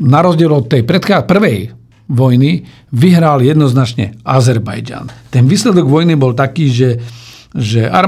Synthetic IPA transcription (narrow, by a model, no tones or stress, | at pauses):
naɾɔzɟɪɛlɔt̪ːɛjpɾɛt̪xaːpr̩ʋɛj | ʋɔjni | ʋiɦɾaljɛd̪nɔznat͡ʃɲɛ̰azɛɾba̰jd͡ʒa̰nt̪ɛnʋiːslɛd̪ɔɡʋɔjnibɔlt̪akiːʒɛ | ʒɛʔa̰ɾ